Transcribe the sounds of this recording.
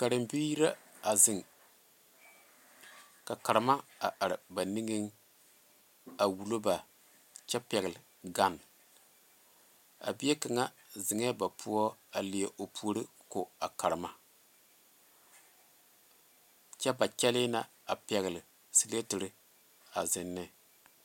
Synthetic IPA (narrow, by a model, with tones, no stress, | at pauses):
ka˨ɾɨ˨mbi˦ji˦ɾa˦a˨zɪ˨ŋ | ka˨ka˨ɾɨ˨ma˦a̰˨ʔa˨ɾɪ˨ba˨ni˦ŋi˦ŋ | a˨wu˨lo˦ba˨ | t͡ʃɛ˦pɛ˨ɣlɪ˨ | ɡa˦n | a̰˨bi˦e˦ka˨ŋa˦ | zɪ˨ŋɛ˦ba˨pʰu˦ɔ˦a˨li˨e˨ʔo˨pʰu˦ɾi˦ | ko˨a˨ka˨ɾɨ˨ma˦ | t͡ʃɛ˦ba˨t͡ʃɛ˦lɪ˦na˦ | a˨pɛ˨ɣɨ˨lɪ˨ | si˦le˦tɨ˨ɾɪ˦ | a̰˨zɪ˨nːɪ˦